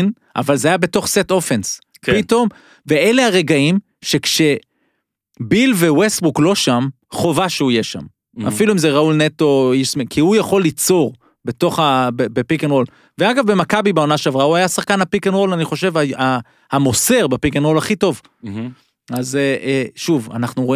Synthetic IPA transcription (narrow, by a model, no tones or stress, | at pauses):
n | ʔa̰valzeajabe̞to̞χset̪o̞fens | kpit̪o̞m | ve̞elehaʁe̞ɡaim | ʃe̞kʃe̞ | bilve̞westbuklo̞ʃam | χo̞vaʃeujeʃa̰m | a̰filuimzeʁaulneto̞iʃmikʰiujaχo̞lːit͡so̞ʁ | be̞to̞χabebepikenʁo̞l | veaɡavbe̞makabibeo̞naʃeavʁauajasaχkanapikenʁo̞laniχo̞ʃe̞vaa | hamo̞se̞ʁbepikenʁo̞laχito̞v | azeeʃuva̰naχnuʁoi